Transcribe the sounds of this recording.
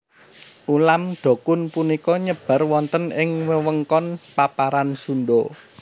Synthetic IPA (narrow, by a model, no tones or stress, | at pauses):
ʔulamɖ̪̥o̤kʊnpunikɔɲəb̥a̤rwɔnt̪ənɪŋməwəŋkɔnpapaɾansunɖɔ